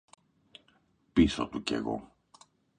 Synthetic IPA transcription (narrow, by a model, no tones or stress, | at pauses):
pisot̪uce̞̰ɣo̞̰